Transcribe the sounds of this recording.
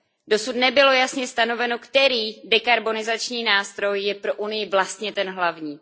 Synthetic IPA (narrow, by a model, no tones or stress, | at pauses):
do̞sut̪nɛbɪlo̞jasɲɛst̪ano̞vɛno̞kt̪ɛɾiːdɛkaɾbo̞nɪzat͡ʃɲiːnaːst̪ɾo̞jjɛpɾo̞ʔunɪjɪvlast̪ɲɛt̪ɛnɦlavɲiː